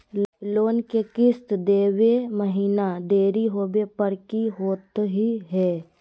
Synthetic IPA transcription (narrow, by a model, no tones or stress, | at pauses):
loːnkekɪst̪d̪eːʋeməɦiːnad̪eːɾiɦoːbepəɾkiɦoːt̪ɦiɦɛː